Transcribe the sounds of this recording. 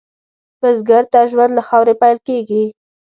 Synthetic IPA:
pəzɡaɾt̪aʒwand̪laxɑwɾepajlkeɡi

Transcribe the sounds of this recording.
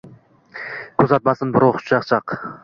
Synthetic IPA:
kʲʰɵzɑt̪̚mɑsɨnbɪɾoχʊ̥t͡ʃʰɑχt͡ʃʰɑq

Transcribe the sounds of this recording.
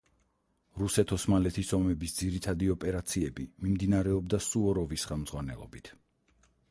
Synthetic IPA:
ɾusɛt̪ʰɔsmalɛt̪ʰisɔmɛbisd̪ziɾit̪ʰad̪iɔpʼɛɾat̪sʰiɛbimimd̪inaɾɛɔbd̪asuɔɾɔvisχɛlˠmd̪zʁwanɛ̰lˠɔ̰bit̪ʰ

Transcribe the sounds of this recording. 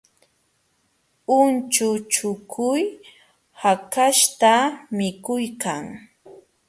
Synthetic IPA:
ʊnt͡ʃʊt͡ʃʊkʰʊj | hakaʃt̪amɪkʊjkaŋ

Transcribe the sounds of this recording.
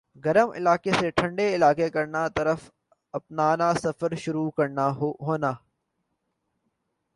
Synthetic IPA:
ɡɐɾəmɪ̰laːkeseʈʰɐ̃ɳɖeɪlaːkekɐɾnat̪ɐɾəf | ɐpnaːnasɐfəɾʃʊɾukɐɾnaɦoːnaː

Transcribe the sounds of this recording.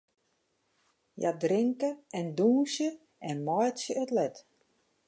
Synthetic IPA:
ja̰drɪŋkəɛnduːsjə | ɛnmɔjtsjəøtlɛt

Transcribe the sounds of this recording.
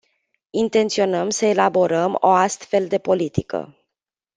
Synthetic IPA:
int̪e̞nt̪sio̞nəmsəe̞labo̞ɾəmo̞ast̪fe̞ld̪e̞po̞lit̪ikə̰

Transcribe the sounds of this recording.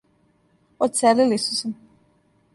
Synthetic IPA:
ot̪selilisu̥sam

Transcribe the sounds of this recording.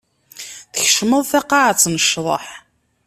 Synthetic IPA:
θə̥çəʃməðˤθɑqːɑʕat͡sːnəʃðˤə̰ħ

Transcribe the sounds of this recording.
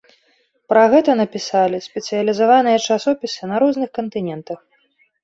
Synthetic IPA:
pɾɐɣɛt̪ɐnɐpʲisalʲisʲpʲɛt̪sɨjɐlʲizavanɨjɐt͡ʂasɔpʲisɨnɐɾɔznɨxkɐnt̪ɨnʲɛnt̪ɐx

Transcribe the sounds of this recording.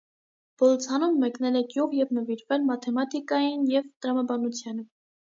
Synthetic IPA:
b̥ɔlɔt͡sʰɑnumːɛknɛlɛɡjuʁjɛvnəviɾvɛlmɑt̪ʰɛmɑt̪ikɑjinjɛvt̪əɾɑmɑbɑnut͡sʰjɑnə

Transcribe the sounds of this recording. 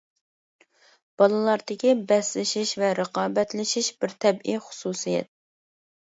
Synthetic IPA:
b̥ɑlˠɨlˠɑɾd̪ɪkʲibɛslɪʃiʃvɛɾəqɑːbɛt̪lɪʃiʃbɪɾt̪ʰɛbiχʊ̥suːsijɛ̰t̪̚

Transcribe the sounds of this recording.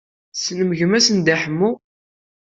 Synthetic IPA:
snəməʝəmæsənd̪æħəmːu

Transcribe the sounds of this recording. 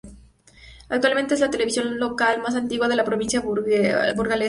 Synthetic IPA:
ak̚t̪walment̪eezlat̪e̞leβisjo̞nlo̞kalmas̬ant̪iɣwað̞e̞lapɾoβinsja | buɾɣale

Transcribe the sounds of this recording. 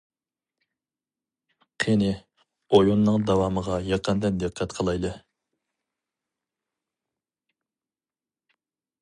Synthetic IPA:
qʰenɪ | ojonːɨŋd̪ɑwɑməʁɑjɑqʰənd̪ɛnd̪ɨqʰːɛt̪qʰəlˠɑjlˠɨ

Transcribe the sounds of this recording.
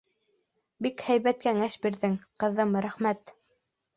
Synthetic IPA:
bikhæjβæt̪̚kæŋæʃbiɾðɘŋqɤ̆ðɤmɾæχmæt̪

